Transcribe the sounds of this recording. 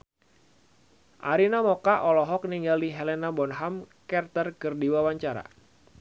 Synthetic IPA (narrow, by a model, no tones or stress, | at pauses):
ʔaɾinamɔkaʔɔlɔɦɔk̚niŋɡaliɦelɛnabɔnɦamkɛrt̪ərkɨrdiwawaɲt͡ʃaɾa̰